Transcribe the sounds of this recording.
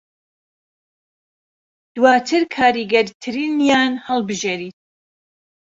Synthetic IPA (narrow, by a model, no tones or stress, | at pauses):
d̪̥waːt̪ʰɨɾkʰaːɾiɡɛɾt̪ʰɨɾiːnjaːnhəlˠbɨʒeːɾiːt̪̚